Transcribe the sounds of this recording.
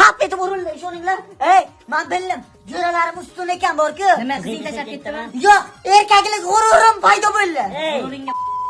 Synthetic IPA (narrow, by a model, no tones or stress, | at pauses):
apet̪ɪpʊɾʊlːɪeʃonɪŋlaɾejːanbɪlːɪm | d͡ʒoɾalaɾɪmʊst̪ʊne̞kʲanboɾkʲɪnemaq̪ʰit̪ʰaʃaɾp̚kʲet̪ːɪmajoqe̞ɾkʲakʲlɪkʲʊɾʊɾɪmpʰajd̪ɒbojlːɪejɾɪŋʲ